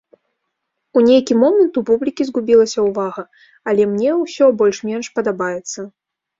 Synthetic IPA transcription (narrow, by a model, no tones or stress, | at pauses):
unʲejkʲimɔmənt̪upublʲikʲizɣubʲilˠɐsʲɐwvaɣɐ | ɐlʲɛmnʲɛwsʲɔbɔlʲʂmʲɛnʂpɐd̪abajɛt̪sːɐ